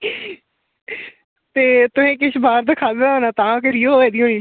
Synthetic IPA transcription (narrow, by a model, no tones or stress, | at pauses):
t̪eːt̪ʊmẽːk̬ɪʃbaːɾd̪ɪkʰaːd̪eːd̪aɦoːnaːt̪ãːkəɾiːoːʋɛːd̪iːɦoːniː